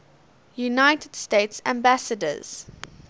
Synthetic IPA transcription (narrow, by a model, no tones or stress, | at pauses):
junaɪtəd̥steɪtsæ̃mbæsədə̰z̥